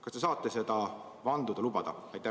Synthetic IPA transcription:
kɑst̪e̞s̬ɑːt̪ːˑese̞d̪̥ɑ | vɑnd̪ud̪ɑlubɑd̪̥ɑ̰ɑjt̪ːˑæ

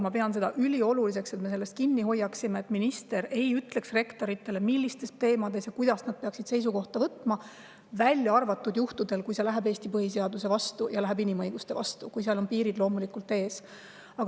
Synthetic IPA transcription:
mɑpe̞ɑnse̞d̪̥ɑʔylʲio̞lulis̬e̞kse̞t̪mese̞lːe̞st̪̚kinːiɦo̞jːɑksimeːt̪ːˑminist̪e̞ɾe̞jyt̪ˑle̞ksre̞kt̪o̞ɾit̪ːˑe̞le̞milʲːist̪e̞st̪e̞ːmɑd̪e̞sjɑkujd̪̥ɑsnɑd̪̚pe̞ɑksid̪̥se̞js̬uko̞ht̪ɑvɤt̪ːˑmɑ | vælʲjɑɑrvɑt̪ːˑud̪juht̪ud̪e̞lkujselæɦebe̞ːst̪ipɤɦis̬e̞ɑd̪use̞vɑst̪ujɑlæɦebinimɤjɡ̥ust̪e̞vɑ̰st̪ukujseɑlo̞npiːɾid̪lo̞ːmulikult̪ːˑe̞ːs | ɑɡ

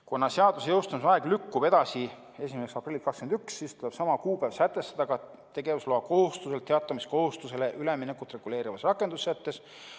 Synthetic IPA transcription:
konːɑseɑd̪̥usejɤwst̪ɑnusɑeɡ̥lykːub̥e̞d̪̥ɑsi | e̞s̬ʲimeseksɑprilʲːikɑkskend̪yksːiːst̪ule̞b̥sɑmɑkuːpæv̥sæt̪ˑːe̞st̪ɑd̪ɑɡ̥ɑ | t̪e̞ɡe̞vusloːɑko̞hust̪use̞lt̪eɑt̪ːˑɑmisko̞hust̪use̞le̞ʔyleminekːˑut̪ːˑre̞ɡ̥ule̞ːɾivɑsrɑkˑːend̪̥usːæt̪ːe̞s

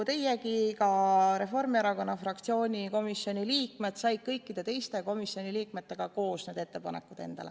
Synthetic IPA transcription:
t̪e̞jekikɑɾe̞fo̞rmieɾɑko̞nːɑfrɑkt̪sio̞ːnʲiko̞misːjo̞nʲiliːkme̞t̪sɑjd̪̥̚kɤjkːˑid̪̥e̞t̪e̞jst̪e̞ko̞misːio̞nʲiliːk̚me̞t̪ːe̞ɡ̥ɑko̞ːsneːd̪̥e̞t̪ːe̞pɑne̞̰kːˑud̪̥e̞̰nd̪̥ɑ̰le

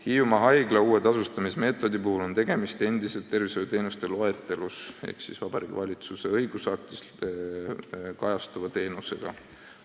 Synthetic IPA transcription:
hiumɑɦɑjɡ̥lɑuːe̞d̪̥ɑsust̪ɑmisme̞ːt̪ːˑo̞d̪ipuhulo̞nt̪e̞ɡ̥e̞mist̪e̞nd̪̥ise̞lt̪ːe̞rviso̞jut̪e̞ːnust̪e̞lo̞e̞t̪ːˑe̞luse̞̰hksisvɑb̥ɑɾiːɡ̥vɑlʲit̪suse̞ɤjɡ̥usɑk̚t̪is | kɑjɑst̪uvɑt̪e̞ːnuse̞̰ɡ̥ɑ̰

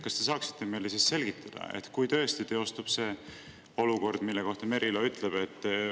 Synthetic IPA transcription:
kɑst̪e̞s̬ɑːksi̥t̪ːˑe̞me̞jlːesisse̞lɡ̥it̪ːɑd̪̥ɑ̰ḛt̪kujt̪ø̞est̪it̪eːo̞st̪ub̥se̞ː | o̞luko̞rd̪̥milːeko̞ht̪ɑme̞ɾʔiloyt̪ˑleb̥e̞t̪ː

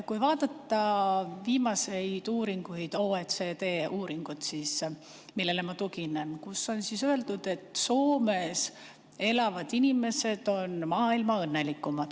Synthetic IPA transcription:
kujvɑːd̪̥ɑt̪ːɑviːmɑse̞jd̪̥uːɾiŋɡ̥uid̪̥oːet̪set̪eːʔuːɾiŋɡ̥ut̪sis | milːe̞lemɑt̪ukinenkusːo̞nsisø̞e̞ld̪ud̪̥e̞t̪ːˑso̞ːme̞s | e̞lɑvɑd̪̥inime̞se̞d̪̥o̞nmɑːilmɑɤnːe̞likːˑumɑd̪̥

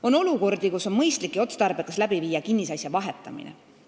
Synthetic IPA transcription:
o̞no̞luko̞rd̪̥ikuso̞nmɤjst̪likːˑio̞t̪st̪ɑrb̥e̞kːɑslæb̥iviːjɑkinːisɑjsjɑvɑɦe̞t̪ːˑɑmḭnḛ

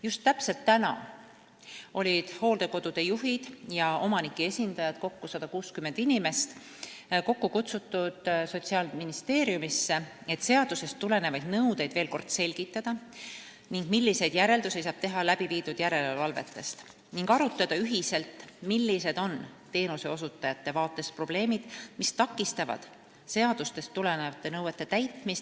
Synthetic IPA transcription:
just̪ːæpse̞lt̪ːænɑ̰ | o̞lʲid̪̥ho̞ːld̪̥e̞ko̞d̪̥ud̪̥e̞juɦid̪̥jɑʔo̞mɑnikːˑie̞sʲind̪̥ɑjɑd̪̥ko̞kːusɑd̪̥ɑkuːskymːe̞nd̪̥inʲimest̪ | ko̞kːukut̪sut̪ːˑud̪̥so̞t̪siɑːlminist̪e̞ːɾiumisːee̞t̪se̞ɑd̪̥use̞st̪ːule̞ne̞vɑjd̪̥nɤwd̪e̞jd̪̥ve̞ːlko̞rd̪̥se̞lʲɡ̥it̪ˑːɑd̪̥ɑ | niŋɡ̥milʲːise̞jd̪jæɾe̞ld̪̥usejsɑːb̥t̪e̞ɦɑlæb̥iviːd̪ud̪̥jæɾe̞llvɑlve̞̰t̪ːˑe̞st̪ | niŋɡɑɾut̪ːˑɑd̪̥ɑyɦise̞lt̪milːise̞d̪̥o̞nt̪e̞ːnuse̞o̞sut̪ːˑɑjɑt̪ːe̞vɑːt̪ːˑe̞spro̞b̥le̞ːmid̪̥mist̪ɑkˑːist̪ɑvɑ̰d̪̥ | se̞ɑd̪̥ust̪e̞st̪ːule̞nevɑt̪ˑːe̞nɤwe̞t̪ˑːe̞t̪æjt̪ˑmist̪

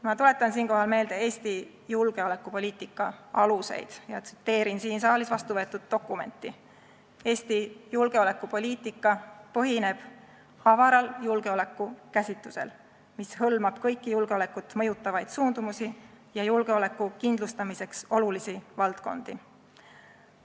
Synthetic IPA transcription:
mɑt̪ule̞t̪ːˑɑnsiːnko̞ɦɑlme̞ːld̪̥e̞e̞ːsʲt̪i | julɡ̥e̞ole̞kːˑupo̞lʲiːt̪ˑikːˑɑɑluse̞̰jd̪̥jɑt̪si̥t̪ːe̞ːɾinsiːnsɑːlisvɑst̪uvɤt̪ːˑud̪̥̚ːo̞kːˑume̞̰nt̪ːˑi | e̞ːsʲt̪ijulɡe̞o̞le̞kːˑupo̞lʲiːt̪ˑikːˑɑpɤɦine̞b̥ | ɑvɑɾɑljulɡ̥e̞o̞le̞kːˑukæsʲit̪ːˑusḛl | mishɤlmɑb̥kɤ̞jkːijulɡ̥eo̞le̞kːˑut̪ːˑmɤ̞jut̪ːˑɑvɑjd̪̥suːnd̪umusi | jɑjulɡ̥e̞o̞le̞kːˑukind̪lust̪ɑmise̞kso̞lulisivɑlt̪ko̞̰nd̪̥i

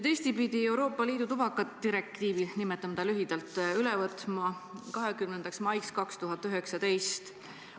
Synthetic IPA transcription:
t̪e̞ːst̪ipid̪̥ie̞wɾo̞ːpˑːɑliːd̪ut̪ubɑkːˑɑt̪ːiɾe̞k̚t̪iːvinimɛt̪ːˑɑmt̪ɑlyɦid̪̥ɑlt̪ːˑylɛvɤt̪ˑmɑkɑɦekymnend̪ɑksmɑjkskɑkst̪uɦɑt̪ːˑyɦe̞ksɑt̪e̞jst̪

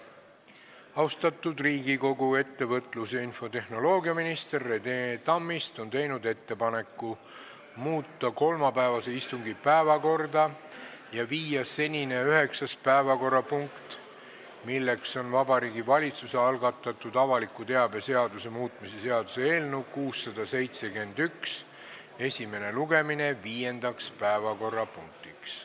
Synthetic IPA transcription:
ɑwst̪ɑt̪ˑːud̪riːɡiko̞ɡue̞t̪ːe̞vɤ̞t̪ːˑluseinfo̞t̪e̞hno̞lo̞ːɡiɑminist̪e̞rːe̞d̪̥et̪ɑmːist̪o̞nt̪e̞jnud̪e̞t̪ːe̞pɑne̞kːˑu | muːt̪ˑːɑko̞lmɑpæevɑse̞ist̪uŋɡipæevɑko̞rd̪ɑ | jɑviːjɑse̞nʲine̞yɦe̞ksɑspæevɑko̞rːɑpuŋkt̪ | milːe̞kso̞nvɑbɑɾiːɡivɑlʲit̪suse̞ɑlɡɑt̪ˑːɑt̪ːˑud̪̥ɑvɑlikːˑut̪e̞ɑbe̞se̞ɑd̪use̞muːt̪ˑmise̞se̞ɑd̪usee̞ːlnukuːsːɑd̪ɑse̞jt̪se̞ke̞nd̪yks | e̞sʲime̞ne̞luɡe̞mine̞viːje̞nd̪̥ɑkspæevɑko̞rːɑpuŋk̚t̪iks

